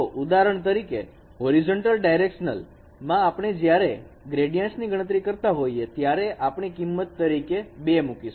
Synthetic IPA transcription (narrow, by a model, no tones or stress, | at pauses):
oʔud̪aɾəɳ̃t̪̬əɾike | ɦoɾid͡ʒoɳʈəlɖajɾekʃnə̰l | mãːpɳ̃ed͡ʒjaɾe | ɡɾeɖijãnsniɡəɽə̃t̪ɾikəɾt̪aɦoiet̪jaɾeʔapɳ̃ikimːət̪ːəɾikebemukiʃ